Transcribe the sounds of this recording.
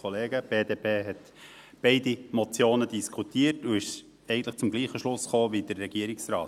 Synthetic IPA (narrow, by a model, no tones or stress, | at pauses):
ɔleːɡəb̥eːdeːpʰeːɦɛt̪ | b̥ɛɪdimɔt͡sjoːnədiskʰutiːətuɪʃ | ɛɪɡən̩tləχt͡sʊmɡliːχəʃlʊsχoːvid̥əɾːɛɡiəɾiksrɑːt